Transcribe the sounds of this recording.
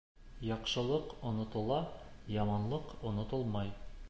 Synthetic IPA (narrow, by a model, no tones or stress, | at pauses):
jɒqʃɤ̆lˠɤqŏnŏt̪ɤ̆lˠɑjɒmɑnlˠɤqŏnŏt̪ɤlˠmɑj